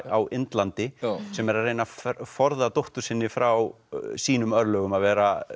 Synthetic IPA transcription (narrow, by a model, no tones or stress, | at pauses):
awʔɪnt̪lant̪ɪsɛmɛɾarːeːjnaffɔɾðat̪owht̪ʏ̥sɪnːɪfɾaw | siːnʏmœɾlœːɣʏmaðvɛːɾa